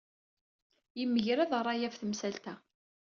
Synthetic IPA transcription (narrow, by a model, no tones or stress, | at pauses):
jəmːəʝɾæðrˤːɑjæfθəmsælt̪æ